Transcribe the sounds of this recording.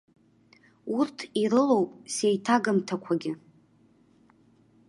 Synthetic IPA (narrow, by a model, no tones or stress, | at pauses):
urtʰiɾɨlo̞wpʼse̞jtʰaɡɨmtʰakʷʰaɡʲɪ